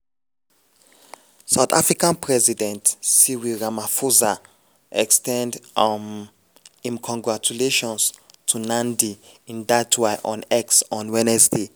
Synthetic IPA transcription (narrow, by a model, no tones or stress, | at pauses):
saʊθa̰fɹikãnpʰɹɛzidɛ̃ntsiwiɹamafuza | ʔɛkstɛ̃nd | ĩmkʰɔ̃ŋɡɹat͡ʃuleʃɔ̃nstʰunãndiĩndatʰweɪʔɔ̃nɛksɔ̃nwɛnɛsdi